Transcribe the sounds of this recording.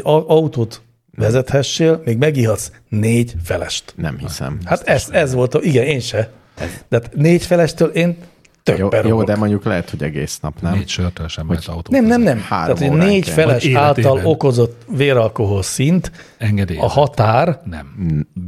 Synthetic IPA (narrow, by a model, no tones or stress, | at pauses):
ɒut̪oːt̪ | ʋɛzɛt̪hɛʃːeːlmeːɡmɛɡiɦɒt̪s | neːɟfɛlɛ̰ʃt̪nɛ̰mhisɛ̰mhat̪ɛszɛzʋo̞lt̪iɡɛneːnʃɛ | t̪aat̪neːɟfɛlɛʃt̪ølʔeːn | t̪øbːɛɾood̪ɛmoɲɟuklɛɦɛt̪hoɟɛɡḛːsnɒ̰pnɛeʃørt̪øʃɛmɛnɒut̪ːnɛmnɛmnɛmha̰ːaːt̪honeːɟffɛlɛʃaːlt̪ɒlo̞ko̞zo̞t̪ːʋeːɾɒlko̞ɦo̞lsint̪ | ɛŋɡɛd̪ejɒhɒt̪aːrnɛ̰m